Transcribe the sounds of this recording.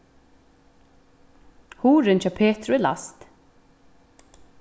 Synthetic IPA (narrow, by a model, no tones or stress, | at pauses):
huːɾɪnt͡ʃapʰeːt̪ɾʊɛla̰st̪